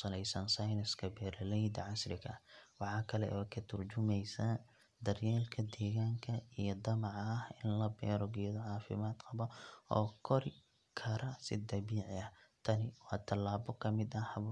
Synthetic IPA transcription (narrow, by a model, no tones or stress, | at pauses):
sɐlɛjsɐnsɐjnɐskʰɐbɛːɾɐlɛjd̪ɐʕɑsrɪkɐ̰wɑħɑːkʰɐlɛ̰wɔːkʰɐt̪ʰʊrt͡ʃʊmɛjsɐ | d̪ɐrjɛːlkʰɐd̪ɛːɣaːŋkʰɐijɔd̪ɐmɑʕhɪnlɐbɛːɾɔɡɪjðɔʕɑːfɪ̰maːd̪qɑβɐɔːkʰɔɾɪ | kʰɐɾɐsɪd̪ɐbiːʕɪɐht̪ʰɐnɪwɑːt̪ʰɐlːaːbɔkʰɐmɪd̪ɐhɐβɔ